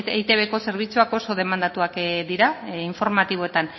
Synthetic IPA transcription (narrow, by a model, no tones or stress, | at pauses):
tḛit̪e̞β̞e̞ko̞se̞ɾβ̞it͡suako̞so̞ð̞e̞mand̪at̪uakd̪iɾaiɱfo̞ɾmat̪iβ̞oe̞t̪an